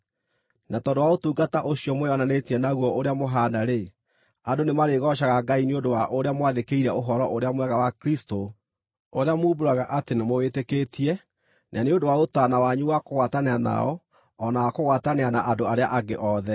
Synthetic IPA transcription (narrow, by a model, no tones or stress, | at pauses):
natɔːndowaotuːɡataʔoɕiɔmwɔnanetiɛnaɣwɔʔoɾeamoɦaːnaɾe | andonemaɾeɣɔʃ̬aɣaɡaineondowaʔoɾeamwaðekeiɾɛoɦɔɾɔʔoɾeamwɛɣawakɾisto | oɾeamuːboɾaɣaʔatenemoetekeːtʰiɛ | nʔaneondowaotaːnawaɲuwakoɣwataneana̰ɔ | ɔnawakoɣwataneanaʔandoaɾea̰ʔaɡeʔɔðɛ